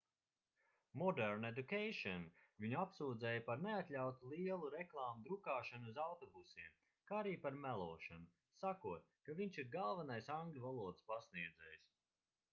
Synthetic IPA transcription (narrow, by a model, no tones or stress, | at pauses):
mɔd̪ɛɾned̪ukejʃɔnviɲuapsuːd̪zɛːjapaɾneat̪lʲawt̪ulˠiɛlˠuɾɛklˠaːmud̪ɾukaːʃanuzawt̪ɔbusiɛm | kaːaɾiːpaɾmælˠuɔːʃanu | sakuɔt̪̚kaviɲʲt͡ʃiɾɡalˠvanajsaŋɡlʲuvalˠuɔd̪spasniɛd̪zɛjs